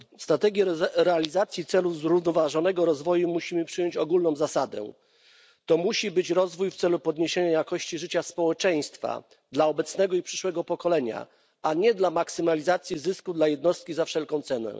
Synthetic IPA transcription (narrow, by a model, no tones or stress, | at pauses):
st̪ɾat̪ɛɡʲjɛɾɛalʲizat̪sʲjit̪sɛluvzɾuvnɔvaʐɔnɛɡɔɾɔzvɔjumuɕimɘpʂɘjɔɲt͡ɕɔɡulnɔ̃w̃zasad̪ɛ̰ | t̪ɔmuɕibɘt͡ɕɾɔzvujft̪sɛlupɔd̪ɲeɕeɲajakɔɕt͡ɕiʐɘt͡ɕaspɔwɛt͡ʂɛj̃st̪fa̰ | d̪laɔbɛt̪snɛɡɔipʂɘ̥ʂwɛɡɔpɔkɔlɛɲa̰ | aɲɛd̪lamaksɘmalʲizat̪sʲjizɘskud̪lajɛd̪nɔst̪̚kʲizafʂɛlkɔ̃w̃t̪sɛnɛ̰